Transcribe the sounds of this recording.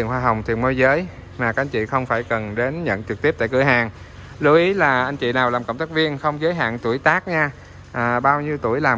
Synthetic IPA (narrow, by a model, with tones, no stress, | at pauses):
i˧˨ənhwaː˧ɦa˨˩wŋ͡mt̪ʰi˨˩ənmo˧˦jzəː˨˦j | maː˨˩kaː˦k̚ʔŋ̟t͡ɕḭ˧˨xə˧wŋ͡mfaː˧˩jkə˨˩nɗe˨˦nɲə̰˧˨nt͡ɕɨ˨˩k̚t̪i˦˥əp̚t̪ːjkɨ˧˩əjɦaː˨˩ŋ | lu˧ʔi˨˦laː˨˩ʔa˧jŋ̟t͡ɕḭ˧˨naː˨˩wlaː˨˩mkə̰˧˨wŋ͡mt̪ʰa˦˥k̚vi˧ənxə˧wŋ͡mzəː˨˦jɦa̰ː˧˨nt̪u˧˩əjt̪aː˦˥k̚ɲaː˧ | ʔːɓaː˧wɲi˧wt̪u˧˩əjlaː˨˩